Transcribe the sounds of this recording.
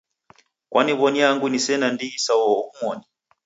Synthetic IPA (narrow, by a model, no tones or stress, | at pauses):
kwʔaniβɔniaŋɡunisɛnandiisawɔːumwɔni